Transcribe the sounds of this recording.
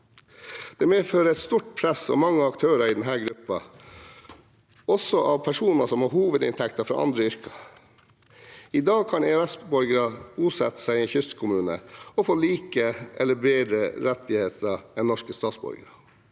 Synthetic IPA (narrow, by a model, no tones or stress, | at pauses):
d̪̥eːmeːføːɾəɛt̪st̪uʈ̚pʰɾɛsɔ̰mɑŋːəɑkt̪ʰøːɾɑɪd̪ɛnɦæːɾɡɾʉpːɑ | ɔsɔʔɑːʋpʰæʂuːnɑsɔmhɑːɦuːʋəd̪ɪ̰nt̪ʰɛkt̪ɑfɾɑ̰ʔɑ̰nd̪ɾəʏɾkɑ̥ | ɪd̪ɑːɡ̚kʰɑneɛsbɔɾɡəɾɑɡuːsɛt̪ːə̥sæɪɪɛçʏst̪kʰʊmʉːnə̰ɔfoːliːkəʔɛləbeːd̪ɾəɾɛt̪ːɪheːt̪ʰəɛnnɔʂkəst̪ɑːt̪sbɔ̰ɾɡəɾə